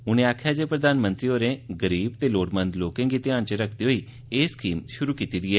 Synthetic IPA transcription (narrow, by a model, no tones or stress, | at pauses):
ʊñẽaːkʰjaːd͡ʒepɾəd̪aːnmə̃nt̪ɾioːɾeɡəɾiːbt̪eloːʈmə̃nd̪loːkẽːɡit̪iãːnt͡ʃəɾəkʰd̪iɦoi | eːskiːmʃʊɾukiːt̪id̪iɛː